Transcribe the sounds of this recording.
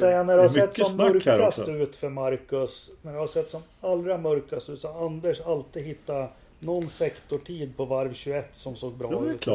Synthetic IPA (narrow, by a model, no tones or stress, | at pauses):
sɛjːanæɖɛhasɛt̪ːsɔmːœɾkasst̪əʉ̟ːt̪fœɾmaɾkɵsnæɖəhaɾsɛt̪ːsɔm | alːɾamœɾkast̪ʉːt̪saand̪əʂalt̪iːd̪hɪt̪ːa | nɔnːsɛkt̪ʊʈʰiːd̪̚pʰɔvaɾvɕɵɛt̪ːsɔmsoːɡ̚bɾɑːʉːt̪